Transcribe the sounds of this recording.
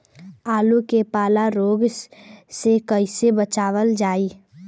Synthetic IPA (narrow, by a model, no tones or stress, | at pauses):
aːlukepaːlaɾoːɡsekəɪsebət͡ʃaːʋəld͡ʒaːiː